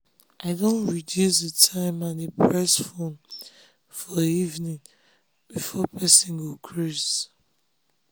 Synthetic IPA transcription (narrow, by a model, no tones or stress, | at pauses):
ʔaɪdõntɹidjusðətʰãɪ̃mãnepʰɹɛsfõn | fɔivnĩŋ | b̥ifɔpʰɛsĩnɡukʰɹus